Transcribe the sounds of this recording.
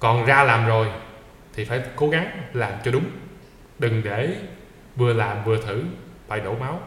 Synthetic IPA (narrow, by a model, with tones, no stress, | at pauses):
kɔ˨˩nzaː˧laː˨˩mzo˨˩j | t̪ʰi˨˩faː˧˩jko˨˦ɣa˨˦ŋlaː˨˩mt͡ɕɔ˧ɗʊ˨˦ŋ͡m | ɗɨ˨˩ŋɗe˧˩ | vɨ˨˧əlaː˨˩mvɨ˨˩ət̪ʰɨ˧˩fa̰ː˧˩jɗo̰˧˩˦ma˨˦w